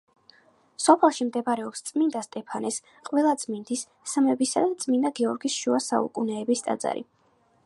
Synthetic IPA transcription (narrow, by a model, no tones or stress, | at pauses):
sɔpʰɛlˠʃimd̪ɛpaɾɛɔpst̪sʼmind̪ast̪ʼɛpʰanɛs | qʼvɛlˠadt̪sʼmind̪isː | əmɛbisad̪at̪sʼmind̪aɡɛɔɾɡisʃuasa̰ṵkʼunɛːbist̪ʼa̰d̪za̰ɾḭ